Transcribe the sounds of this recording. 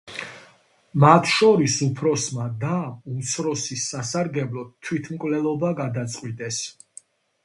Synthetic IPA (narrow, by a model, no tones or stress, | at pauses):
mat̪ʰʃɔɾisupʰɾɔsmad̪aumt̪sʰɾɔsisːasaɾɡɛblˠɔt̪ʰːwit̪ʰmkʼvlɛlˠɔbaɡad̪at̪sʼqʼwit̪ʼɛs